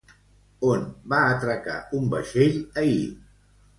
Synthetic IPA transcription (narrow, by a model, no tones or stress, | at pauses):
onbaət̪ɾəka̰umbə̰ʃeʎəḭ